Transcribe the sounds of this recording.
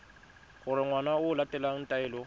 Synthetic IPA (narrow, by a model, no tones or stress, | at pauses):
ɣʊɾɪŋwanaʊːlatʼɛlan̩tʼaɪːlɔ